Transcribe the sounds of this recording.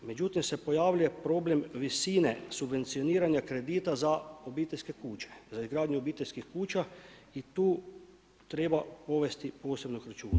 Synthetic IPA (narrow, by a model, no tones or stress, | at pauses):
me̞d͡ʒut̪imse̞po̞jaːʋluje̞pɾo̞ːble̞mʋisiːnesubʋe̞nt̪sijoniːɾaɲakɾe̞d̪iːt̪azaobiːt̪eʎʲske̞kuːt͡ɕe̥zaizɡɾaːd̪ɲuobiːt̪eʎʲskixkuːt͡ʃa | it̪uː | t̪ɾeːbapo̞ʋe̞st̪ipo̞ːse̞bnoxɾat͡ʃuːna